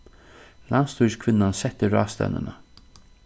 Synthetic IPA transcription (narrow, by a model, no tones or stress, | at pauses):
lanst̪uʂkʰvɪnːansɛt̪ːəɾɑːst̪ɛ̰nə̰nə